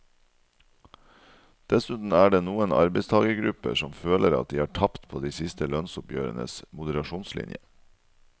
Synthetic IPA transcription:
d̪̥ɛsʉt̪n̩æːɖeːnuːənɑ̰ɾbəɪst̪ʰɑːɡəɡɾʉpə̰ʂɔmføːlʔəɾɑ̰t̪̚d̪iːɑːʈʰɑpt̪pʰoːd̪iːsɪst̪əlœnsʊpjø̰ːɾənə̰smʊd̪əɾɑʃuːnslɪ̰njə

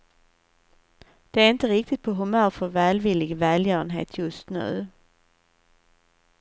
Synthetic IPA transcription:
d̪̥ɛæɾɪnt̪əɾɪkt̪ɪt̪̚pʰɔɦʊmœːɾfɔɾvæːlvɪlɪɡvɛːljœːɾənɦḛːt̪ʰjɵst̪nʉ̟̰ː

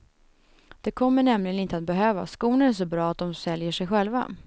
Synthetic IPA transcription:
d̪̥ɛkʰɔmːəɳɛmlɪɡənɪnt̪əat̪̚bɛɦøːva̰skuːnənæʂ̬ɔbɾɑːat̪̚d̪ɔmsɛljəʂɛjɧɛlva̰

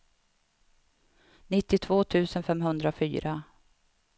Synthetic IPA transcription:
nɪt̪ːɪt̪ʰvoːt̪ʰʉ̟ːsənfɛmɦɵnd̪ɾafy̰ːɾa

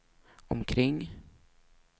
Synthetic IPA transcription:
ɔ̰mkʰɾɪŋː

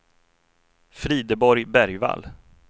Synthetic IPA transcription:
fɾiːd̪əbɔɾjbæɾjva̰lː

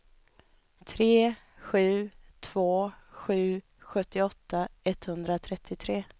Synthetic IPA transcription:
t̪ʰɾeː | ɧʉ̟ːt̪ʰv̥oːɧʉ̟ː | ɧɵt̪ːɪɔt̪ːaɛt̪ːhɵnd̪ɾat̪ʰɾɛt̪ʰːɪt̪ʰɾeː

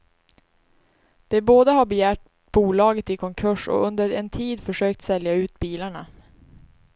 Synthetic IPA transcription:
d̪̥ɛboːd̪əɦabɛjæːʈ̚ | b̥uːlɑːɡət̪ɪkʰɔŋkʰɵʂɔ̰ʔɵnd̪əɾɛ̰nt̪ʰiːd̪fœʂøːk̚t̪sɛljaʉ̟ːt̪̚biːlaɳa

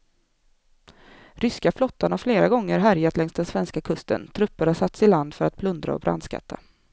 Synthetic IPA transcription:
ɾʏskaflɔt̪ːaɳafleːɾaɡɔŋːəɾɦæɾjat̪lɛŋst̪ɛnsvɛnskakʰɵst̪ə̰nt̪ʰɾɵpːəɾhaʂat̪ːsɪland̪fœɾat̪̚pʰlɵnd̪ɾa̰ɔ̰bɾʔa̰nd̪ska̰t̪ʰːa̰

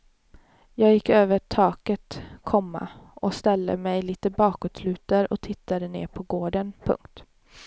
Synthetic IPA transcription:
jɑːɡjɪkːøːvəʈʰɑːkət̪kʰɔmːa̰ɔst̪ɛld̪ə̰mɛjliːt̪əbɑːkɔt̪slʉ̟ːt̪aɾɔt̪ʰɪt̪ʰːad̪ənḛːɾpʰɔɡoːɖənpʰɵ̰ŋkt̪

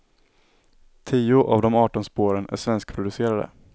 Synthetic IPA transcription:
t̪ʰiːʊʔavd̪ɔmɑːʈɔnspoːɾənæ̰ʂvɛnskpʰɾʊd̪ɵseːɾad̪ə̰

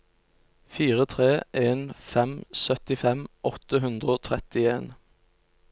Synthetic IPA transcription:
fiːʁət̪ʰʁeːʔeːnfɛmsœt̪ɪfɛmʔɔt̪əɦʉnd̪ʁəoːt̪ʰʁɛt̪ɪeːn

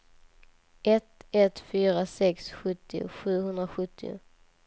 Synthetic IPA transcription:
ɛt̪ɛt̪fyːɾasɛksɧɵt̪ːɪʊ̰ɧʉ̟ːɦɵnd̪ɾaɧɵt̪ʰːɪʊ̰

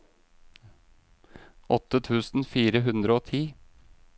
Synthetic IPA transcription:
ʔɔt̪ːət̪ʰʉːsn̩fiːɾəɦʉnd̪ɾəoːt̪ʰiː

